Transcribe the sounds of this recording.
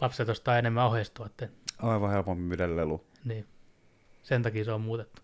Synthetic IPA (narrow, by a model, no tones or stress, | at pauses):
lɑpset̪jost̪ɑːenemːæohest̪uɑt̪ːenɑiʋɑhelpompimydellelu | niː | sent̪ɑkiːseommuːt̪et̪ːu̥